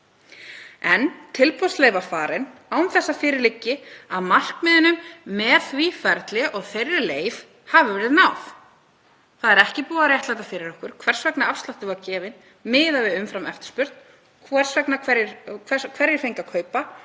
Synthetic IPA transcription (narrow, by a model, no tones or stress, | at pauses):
ɛnt̪ʰɪlpʰɔsleːjvafaːɾɪnawmθɛsːafɪːɾɪɾlɪcːɪaðmal̥kmɪðɪnʏmːɛðθvifɛɾt̪lɪʔɔɣθejrːɪleːjv | havɪvɛɾɪðnawf | θaðɛɾɛhcɪpuːaɾrjɛht̪ajt̪afɪɾɪɾɔhkʏɾ̥kʰv̥ɛr̥svɛknaafst̪laht̪ɪvacɛːvɪn | mɪːðavɪðʏmfɾamɛft̪ɪ̥spʏɾ̥t̪n | kʰvɛr̥svɛknakʰvɛɾjɪɛkʰvɛɾjɪɾ̥fejŋkakʰœːɥpa